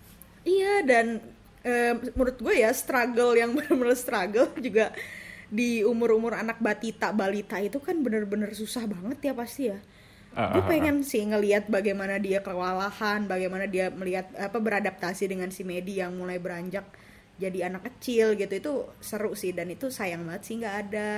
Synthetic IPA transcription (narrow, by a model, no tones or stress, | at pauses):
ijadan | əːmuɾʊt̪̚ɡuajast̪ɾaɡəljaŋbərmənəst̪ɾaɡəld͡ʒuɡadiumʊɾumʊɾanak̚bat̪it̪abalit̪ait̪ukanbənərbənərsusahbaŋət̪japast̪ija | dapeŋɛnsiŋəliat̪̚baɡajmanadiakəwalahanbaɡajmanadiaməliɦat̪̚apabəɾadap̚t̪asidəŋansimedijaŋmulajbəɾaɲd͡ʒak̚ | d͡ʒadianakːət͡ʃɪlɡit̪uit̪usəɾʊʔsihdanit̪usajaŋbaət̪sihŋɡaːda